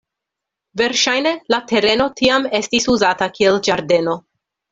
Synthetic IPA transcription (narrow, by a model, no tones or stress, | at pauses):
ve̞ɾʃajne̞late̞ɾe̞no̞tʰiame̞stisuzatakield͡ʒaɾde̞no̞